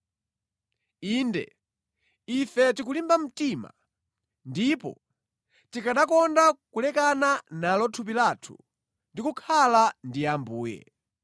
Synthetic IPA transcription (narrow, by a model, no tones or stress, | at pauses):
iːndɛ̰ | ifɛtik̬ulimbam̩tima̰ | ndipɔ̰ | tikaɗakɔndakulɛkananalɔtʰup̬ilatʰṵ | ndikukʰalandijambuːjɛ̰